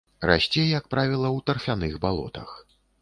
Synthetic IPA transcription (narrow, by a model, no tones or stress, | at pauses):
ra̰sʲt͡sʲɛjɐk̚pɾavʲilˠɐwt̪ɐrfʲanɨxbalˠɔ̰t̪ɐ̰x